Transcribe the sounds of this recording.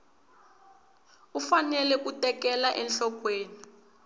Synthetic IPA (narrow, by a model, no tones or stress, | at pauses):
ufanɛlɛkutɛkɛlaʔɛnɬɔk̬weːni